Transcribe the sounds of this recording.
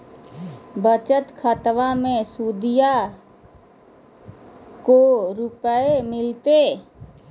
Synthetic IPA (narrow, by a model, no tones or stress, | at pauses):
bət͡ʃət̪kʰət̪ʋamẽsuːd̪ɪja | koɾʊpəemɪlt̪e